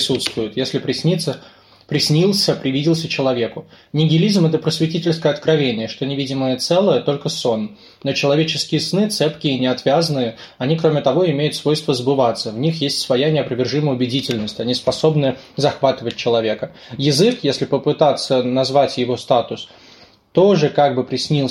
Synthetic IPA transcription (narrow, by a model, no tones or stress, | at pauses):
sut̪st̪vʊjɪt̪jesʲlʲɪpɾʲɪsʲnʲit̪sə | pɾʲɪsʲnʲilˠsʲəpɾʲɪvʲidʲɪlˠsʲət͡ɕɪlˠɐvʲe̞kʊ | nʲɪɡʲɪlʲizmɛt̪̬əpɾəsvʲɪtʲitʲɪlʲskəjəɐt̪kɾɐvʲenʲɪjəʂt̪o̞nʲɪvʲidʲɪməjət̪sɛlˠəjət̪o̞lʲkəso̞nː | ot͡ɕɪlˠɐvʲet͡ɕɪ̥skʲɪjəsnɨt̪sɛpkʲɪɪnʲɪɐt̪vʲazənɨjə | ɐnʲikɾo̞mʲɪt̪ɐvo̞ɪmʲejʊt̪svo̞jst̪vəzəbɨvat̪səvnʲixjesʲtʲsvɐjanʲɪɐpɾəvʲɪrʐɨməjʊbʲɪdʲitʲɪlʲnəsʲtʲɐnʲispɐso̞bnɨzɐxvat̪ɨvət̚ʲt͡ɕɪlˠɐvʲe̞kə | jɪzɨkjesʲlʲɪpəpɨt̪at̪sːənɐzvatʲjɪvo̞st̪at̪ʊs | t̪o̞ʐɨkaɡ̚bɨpɾʲɪsʲnʲilˠ